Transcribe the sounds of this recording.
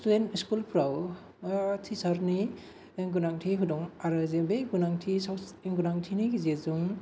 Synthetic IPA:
studentiskulpʰɾaw | tʰisaɾni | ɡunaŋtʰiɦudɔŋaɾazebeɡunaŋtʰisawɡunaŋtʰiniɡizezuŋ

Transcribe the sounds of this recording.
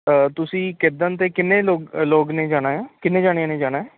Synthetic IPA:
t̪ʊsĩːkɪd̪ənt̪eːkɪnːẽːloːɡloːɡnẽːd͡ʒaːɽ̃aːjaːkɪneːd͡ʒaːɽ̃ãːnẽːd͡ʒaːɽaːɦɛː

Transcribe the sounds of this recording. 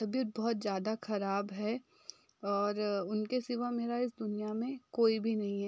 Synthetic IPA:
tɐbijət̪̚bɔɦʊt̪zjaːd̪axɐɾaːbɦɛ | ɔːɾʊnkesɪʋameːɾaɪs̬d̪ʊnijamẽkoːibʱinɐɦĩɦɛː

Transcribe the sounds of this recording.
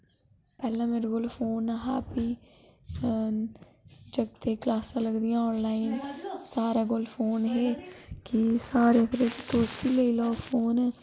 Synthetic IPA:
pɛːlãːmẽːɾɡʊlfʰoːnaɦaːpiː | d͡ʒəɡt̪eːklaːsãːləɡd̪ijãːɔːnlaːɪnsaːɾaːɡʊlfʰoːnɦɛːkisaːɾeəkʰɾeːkit̪oːskileiloːfʰoːn

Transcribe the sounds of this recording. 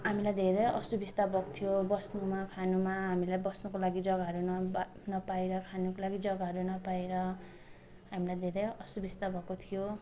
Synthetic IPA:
ɦamilajd̪ʱeɾejʌ̰subist̪abʱʌko̥t̪ʰijobʌsnumakʰanumaɦamilajbʌsnukolaɡid͡zʌɡaɦʌɾunʌ | nʌpaeɾʌkʰanukolaɡid͡zʌɡaɦʌɾunʌpaeɾʌ | ɦamilajd̪ʱeɾʌjʌsubist̪abʱʌkot̪ʰijo

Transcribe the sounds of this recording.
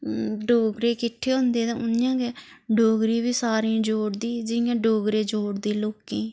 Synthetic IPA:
ɖoːɡɾeːkɪʈʰːeːɦʊ̃nd̪eːt̪ãːʊnjãːɡe | ɖoːɡɾiːbiːsaːɾĩd͡ʒoːɽd̪iːd͡ʒɪjãːɖoːɡɾeːd͡ʒoːɽd̪iːloːkẽː

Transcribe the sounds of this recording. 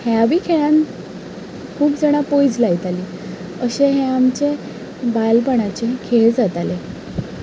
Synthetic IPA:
heaʋiːkʰeɭãn | kʰuːpd͡zəɽ̃apojd͡zlajt̪aliː | əɕeɦẽamt͡ɕe | balpəɽ̃at͡ɕekʰeɭd͡zat̪ale

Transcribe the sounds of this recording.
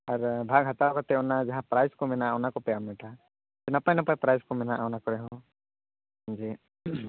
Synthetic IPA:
aɾbʱaɡɦat̪akɔt̪ɛɔnad͡ʒaɦãpɾajskɔmɛnaawnakɔpɛjamɛʈa | tɛnapajnapajpɾajskɔmɛnaʔawnakɔɾɛɦɔ̃ | d͡ʒi

